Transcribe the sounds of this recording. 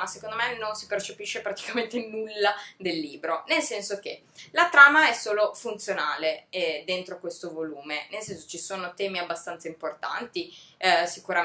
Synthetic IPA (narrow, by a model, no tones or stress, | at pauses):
asekond̪omenonsipert͡ʃepiʃːepɾat̪i̥kament̪enulːad̪elːiːbɾonelsɛnsok̟e | lat̪ɾaːmaɛsoːlofunt̪sjonaːleɛd̪ent̪ɾokwest̪ovoluːmenelsɛnso̥t͡ʃisoːnot̪ɛːmiabːast̪ant̪saimport̪a̰nt̪isikuɾa